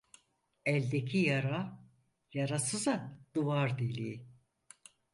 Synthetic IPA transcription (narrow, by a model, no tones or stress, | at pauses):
ɛlʲd̪ekʰijaɾa | jaɾasɯzad̪̥uvaɾd̪elʲi